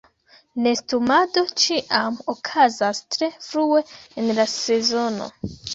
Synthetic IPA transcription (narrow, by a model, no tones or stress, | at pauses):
ne̞stumado̞t͡ʃiʔamokʰazastɾe̞fɾue̞enlase̞zo̞no̞̰